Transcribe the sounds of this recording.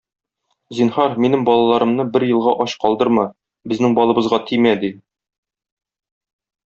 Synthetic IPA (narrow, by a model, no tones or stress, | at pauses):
zinhɑɾminɘŋbɒlˠɑlˠɑɾɤ̆mnɤbɘɾjɤ̆lˠʁɑʔɒɕqɒlˠd̪ɤɾmɑ | bɘ̆znɘŋbɒlˠɤ̆bɤ̆zʁɑt̪ʰimæd̪i